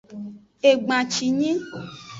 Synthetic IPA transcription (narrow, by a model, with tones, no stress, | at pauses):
e˨ɡ͡bã˨t͡ʃi˨ɲĩ˦